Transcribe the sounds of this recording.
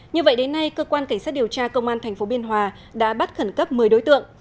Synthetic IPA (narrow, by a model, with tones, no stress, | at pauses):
ɲɨ˧və̰˧˨jɗe˨˦nːa˧jkəː˧kwaː˧nka˧˩ŋsa˦˥t̚ɗi˨˩əwt͡ɕaː˧kə˧wŋ͡mʔaː˧nt̪ʰɛ˨˩jŋ̟fo˨˦ɓi˧ənɦwaː˨˩ | ɗa̰ː˧˥ɓa˦˥t̚xə˧˩nkə˦˥p̚mɨ˨˩əjɗo˨˦jt̪ɨ̰˧˨əŋ